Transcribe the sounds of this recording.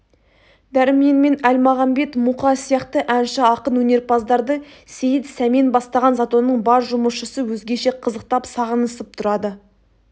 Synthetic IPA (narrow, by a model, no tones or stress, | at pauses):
d̪æɾɪmijenme̞nælmɑʁɑmbe̞t̪muqɑsijɑqt̪əʔænʃɪɑqənwɵne̞ɾpʰɑzd̪ɑɾd̪ə | se̞jɪt̪sæmenbɑst̪ɑʁɑnzɑt̪onːəɴbɑɾʒʊməsʃəsəwɵzɡʲe̞ʃe̞qʰəzəq̚t̪ɑpsɑʁənəsəp̚t̪ʰʊɾɑd̪ə